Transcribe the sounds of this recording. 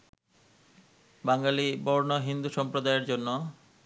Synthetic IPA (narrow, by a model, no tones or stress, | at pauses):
baŋɡalibɔɾnoɦind̪uʃɔmpɾod̪aeɾd͡ʑonːo